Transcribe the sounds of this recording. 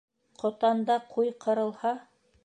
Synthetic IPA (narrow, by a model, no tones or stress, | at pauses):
qʰŏt̪ɑnd̪ɑqʰujqʰɤ̆ɾɤ̆lˠhɑ